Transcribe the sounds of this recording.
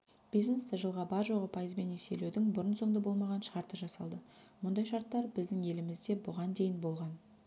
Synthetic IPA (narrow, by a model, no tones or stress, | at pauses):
b̥ijznest̪eʒəlˠʁɑbɑɾʒo̞ʁəpʰɑjəzbe̞nese̞̰lewd̪ɪŋbʊɾənso̞ŋd̪əbo̞lˠmɑʁɑnʃəʁɑɾt̪əʒɑsɑlˠd̪ə | mʊnd̪ɑjʃɑɾt̪ːɑɾbɪzd̪ɪŋe̞lɪmɪzd̪e̞bʊʁɑnd̪e̞jɪnbo̞lˠʁɑn